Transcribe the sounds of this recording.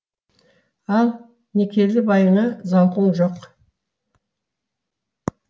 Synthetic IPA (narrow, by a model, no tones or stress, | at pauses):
ɑlˠ | ne̞kʲʰe̞d̪ɪbɑjənəzɑɴqʰuɴʒoq